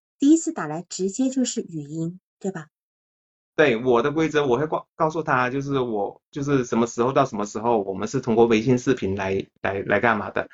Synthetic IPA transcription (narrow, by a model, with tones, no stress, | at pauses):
t̪i˥˩i˥t͡sʰɹ̩˥˩t̪a˨˩la˧˥ɪʈ͡ʂɻ̩˧˥t͡ɕjɛ˥t͡ɕjo˥˧ʊʂɻ̩˥˩y˨˩i˥nt̪we˥˩ɪbɐ˩ | t̪we˥˩ɪwɔ˨˩d̪ə˦kwe˥ɪt͡sɤ˧˥wɔ˨˩xe˥˧˥kɑ˥˧ʊsu˥˩t̪ʰa˥t͡ɕjo˥˧ʊʂ̬ɻ̩˥˩wɔ˨˩˦t͡ɕjo˥˧ʊʂ̬ɻ̩˥˩ʂə˧˥nmə˧ʂɻ̩˧˥xo˧ʊt̪ɑ˥˩ʊʂə˧˥nmə˧ʂɻ̩˧˥xo˥˧ʊwɔ˨˩mə˦nʂɻ̩˥˩t̪ʰʊ˥ŋkwɔ˥˩we˧˥ɪɕi˥˧nʂɻ̩˥˩pʰi˧˥nla˧˥ɪla̰˧˥ɪla̰˧˥ɪka˥˩nma̰˨˩d̪ə̰˦